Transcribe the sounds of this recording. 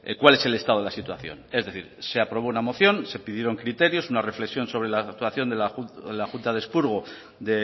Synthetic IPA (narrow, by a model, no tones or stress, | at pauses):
kwale̞se̞le̞st̪aðo̞lasit̪waθjo̞̰ne̞zðe̞θḭɾse̞apɾo̞β̞o̞unamo̞θjo̞nse̞piðje̞ɾo̞ŋkɾit̪e̞ɾjo̞sunare̞fle̞ksjo̞nso̞βɾe̞lakt̪waθjo̞nd̪elalaxunt̪aðespuɾɣ̞o | d̪e